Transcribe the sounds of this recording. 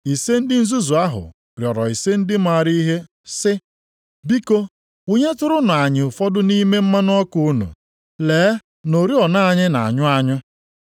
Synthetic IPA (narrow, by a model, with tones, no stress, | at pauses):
i˨se˦n̩˦dɪ˦n̩˦zu˦zu˨a˦ɦʊ̰˨ | ɾjɔ˨ɾɔ˨i˨se˦n̩˦dɪ˦ma˦˨ɾi˦ɦe˦ | sɪ˦ | bi˦ko˦ | u˦ɲe˦tʊ˦ɾʊ˦nʊ˨a˨ɲɪ˨ʊ˨fɔ˦dʊ˦ni˦me˦m̩˦ma˦nʊ˦ɔ˦ku˦ʊ˦nṵ˨ | leː˨˦ | no˨ɾi˦ɔ˨na˦a˨ɲɪ˦na̰˨a̰˨ɲʊ˦a˦ɲʊ˦